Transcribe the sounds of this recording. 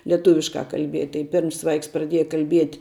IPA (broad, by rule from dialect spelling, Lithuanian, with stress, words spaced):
lʲiɛˈtʊʋʲɪʃkɑː kɐlʲˈbʲiɛtʲ tɐɪ ˈpʲɪrms ˈʋɐɪks prɐˈdʲiɛjɛ kɐlʲˈbʲiɛtʲ